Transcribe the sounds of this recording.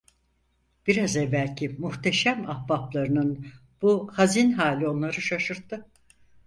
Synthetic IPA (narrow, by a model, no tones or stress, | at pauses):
b̥iɾazɛvːælʲcʰimuht̪ʰe̞ʃæmahbaplˠaɾɯnɯn | b̥uhazinɦaːlʲio̞nlˠaɾɯʃaʃɯɾt̪ʰːɯ